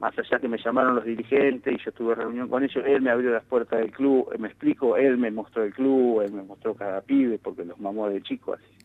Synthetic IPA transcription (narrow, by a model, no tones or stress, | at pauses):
mʔa̰saʒakeme̞ʃamaɾonlo̞zðiɾixent̪esiʒo̞t̪uβereunjo̞ŋko̞ne̞ʒoʔelmeaβɾjolapweɾt̪aðelkluβ̰mesplikoe̞lme̞mo̞st̪ɾoelkluβelme̞most̪ɾo̞kaðapiβepo̞ɾkelohmamoðet͡ʃikoa̰si̥